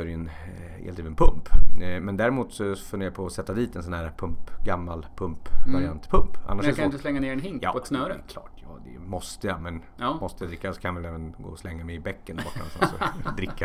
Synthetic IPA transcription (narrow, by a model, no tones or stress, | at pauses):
ɛɾɛn | hḛlat̪ʰiːvɛnpʰɵmpmɛnd̪æːɾɪmuːt̪sɔfɵneːjɾapʰɔːsɛt̪ːad̪iːt̪ɛnsɔnhæːɾpʰɵmpɡamːalpʰɵmpvaɾɪant̪pʰɵmpʔa̰nːaʂkat̪əslɛŋːaneːɾɛnɦɪŋ̰ːɔɛt̪snœːɾəkʰlɑ̰ːʈjɑːd̪ɛ̰mɔst̪əjamɛn | mɔst̪əjad̪ɾɪkːasɔ̥kʰanaɪʋɛlɛːvənɡo̰ːɔslɛŋːamɛɪbɛkːənba̰kasɛsɔ̰d̪ɾɪkːa